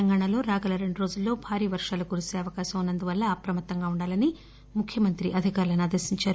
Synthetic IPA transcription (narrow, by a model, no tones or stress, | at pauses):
ɐŋɡaːɳɐlo̞ːɾaːɡɐlɐɾe̞ɳɖuɾo̞ːd͡ʒulːo̞ːbʱaːɾiːʋɐɾʂaːlukuɾuse̞ːɐʋɐkaːʃɐmunːɐnd̪uʋɐlːɐːpɾɐmɐt̪ːɐŋɡaːuɳɖaːlɐni | mukʰjɐmɐnt̪ɾiʔɐd̪ʱikaːɾulɐnaːd̪ɐsiɲt͡ʃaːɾu